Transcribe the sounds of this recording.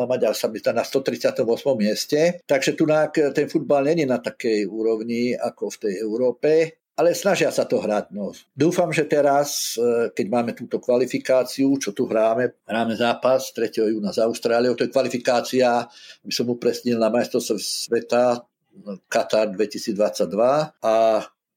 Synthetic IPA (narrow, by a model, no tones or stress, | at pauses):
amaɟasamizanast̪ɔt̪ɾit͡sɪat̪ɔmʊɔsmɔmːɪɛscɛt̪aɡʒɛt̪unaːkt̪ɛnfud̪̚balɲɛɲɛnat̪akɛjuːɾɔʊɲiakɔft̪ɛjɛʊɾɔːpɛ | alɛsnaʒɪasat̪ɔɦɾaɟnɔd̪uːfamʒɛt̪ɛɾaskɛɟmaːmɛt̪uːt̪ɔkʋalifikaːt͡siut͡ʃɔt̪uɦɾaːmɛɦɾaːmɛzaːpast̪ɾɛcɛɦɔjuːnazaʊst̪ɾaːliɔt̪ɔjɛkʋalifikaːt͡siaabisɔmupɾɛsɲilnamajst̪ɔsssʋɛt̪a | kat̪aɾd̪ʋɛcisiːd͡zd̪ʋat͡sːaɟd̪ʋaa